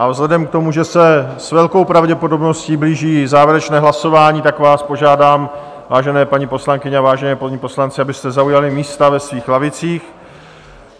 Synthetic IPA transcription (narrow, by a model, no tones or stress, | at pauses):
ʔavzlɛdɛmkt̪o̞muʒɛsɛsvɛlko̞wpɾavɟɛpo̞do̞bno̞sciːbliːʒiːzaːvjɪɾɛt͡ʃnɛːɦlaso̞vaːɲiːt̪akvaːspo̞ʒaːdaːm | vaːʒɛnɛːpaɲipo̞slaŋkɪɲɛavaːʒɛnɛːpoɲipo̞slant͡sɪabɪst̪ɛzaujalɪmiːst̪avɛsviːxlavɪt͡siːx